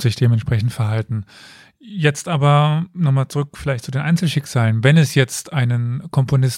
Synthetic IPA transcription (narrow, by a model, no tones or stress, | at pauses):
z̥ɪçd̥eːmɛntʃpʁ̥ɛçn̩tfɛɐɦaltn̩ | jɛt͡stʔaːbɐnɔχmaːlt͡suʁʏkfɪlaɪçt̚t͡sudeːnʔaɪnt͡sl̩ʃɪkz̥aːlənvɛnɛsjɛt͡stʔaɪnənkʰɔmponɪs